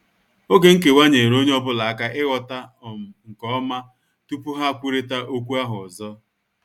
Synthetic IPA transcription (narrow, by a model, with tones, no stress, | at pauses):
o˦ɡe˨ŋ̩˦k̬e˨wa˦ɲe˨ɾo˦ɲe˦ɔ˦bʊ˦la˨a˦ka˦ʔɪ˦ɣɔ˨ta˦˨ŋ̩˨kɔ˦ma˦ | tu˦pu˦ɦa˦˨kʷu˦ɾe˦ta˦ʔo˦kʷu˦a˦ɦʊ˨zɔ˦